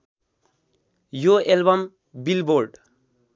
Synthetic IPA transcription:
joelbʌm | bilboɾɖ

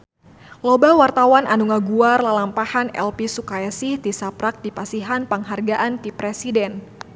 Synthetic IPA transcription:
lobawart̪awanʔanuŋaɡuarlalampahanɛ̰lpisukaɛsid̪isapɾak̚dipasiɦanpaŋɦarɡaʔantipɾɛsidɛn

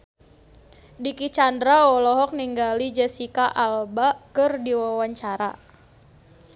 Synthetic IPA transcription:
dikit͡ʃandɾaɔlɔɦɔk̚niŋɡalid͡ʒɛsikaʔalbakɨrdiwawaɲt͡ʃaɾa̰

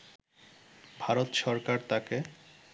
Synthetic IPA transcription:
bʱaɾot̪ʃɔɾkaɾt̪ake

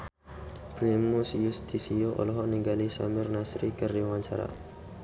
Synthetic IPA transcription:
plemusjust̪isioʔɔ̰lɔɦɔʔniŋɡalisa̰mɪrnasɾikəriwaɲt͡ʃaɾa̰

